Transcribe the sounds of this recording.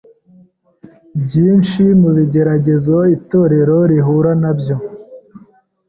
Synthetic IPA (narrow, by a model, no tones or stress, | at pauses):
bjiːnʃimuβiɟe̞ɾaɟe̞zo̞ito̞ːɾe̞ɾo̞ɾiɦuɾanabjo̞